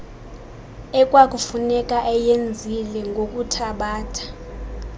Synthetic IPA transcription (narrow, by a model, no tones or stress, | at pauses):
ɛk̬ʼwak̬ʼufunɛkʼaʔɛjend͡zʱilɛŋɡʱok̬ʼutʰaɓaːtʰḁ